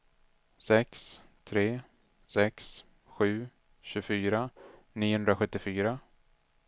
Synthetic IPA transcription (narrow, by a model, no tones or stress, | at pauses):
sɛks | t̪ʰɾeː | sɛks | ɧʉ̟ː | ɕɵfyːɾaniːhɵnd̪ɾaɧɵt̪ːɪfyːɾa